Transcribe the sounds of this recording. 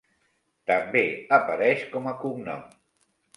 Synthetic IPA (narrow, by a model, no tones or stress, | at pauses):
t̪əmbeəpaɾɛʃkɔmakuɡna̰